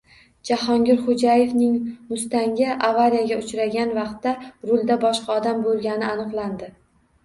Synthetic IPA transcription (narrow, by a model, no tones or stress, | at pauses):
d͡ʒahɒŋɡʲɪɾχod͡ʒaje̞vnɪŋmʊst̪aŋɡʲɪʔavaɾijaɡʲaʊt͡ʃɾaɡʲanvɑqt̪ːaɾʊlˠd̪abɒʃqʰɑɒd̪ambolˠɡʲanɪanɨqlˠand̪ɪ